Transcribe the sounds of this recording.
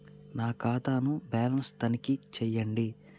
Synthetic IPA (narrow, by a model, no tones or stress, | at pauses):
naːkaːt̪aːnubaːlɐnst̪ɐnikit͡ʃɛjːɐɳɖi